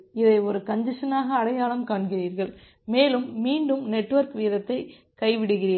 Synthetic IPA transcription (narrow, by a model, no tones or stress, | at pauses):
ɪðɐɪɔɾɯkɐɲdɪʂɐnaːɣɐːɽɐjaːɭɐmkaːnɣɪriːɾɣɐɭ | meːlɯmːiːɳɖɯmnɛʈːʋɐɾkʋiːðɐt̪ːɐɪ | kɐɪʋɪɽɯɣɪriː